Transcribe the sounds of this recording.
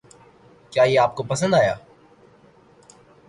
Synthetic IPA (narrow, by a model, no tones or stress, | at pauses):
kjaːjeaːp̚kopɐsə̃nd̪aːja̰ː